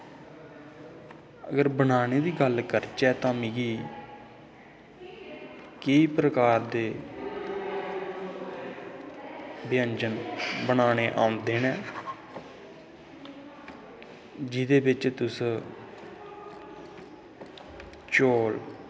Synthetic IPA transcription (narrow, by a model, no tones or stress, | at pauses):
əɡəɾbəɳaːɽ̃eːd̪iːɡəlkəɾt͡ʃɛːt̪ãːmɪːɡiː | kɪiːpɾəkaːɾd̪eː | bjənd͡ʒənbəɳ̃aːɽ̃eːʔã̰ːʊ̃nd̪eːnɛː | d͡ʒɪd̪eːbɪt͡ʃt̪ʊs | t͡ʃoːl